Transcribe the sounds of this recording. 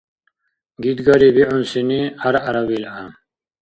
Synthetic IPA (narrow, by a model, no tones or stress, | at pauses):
ɡid̪ɡɐɾibiʕunsiniaɾaɾabila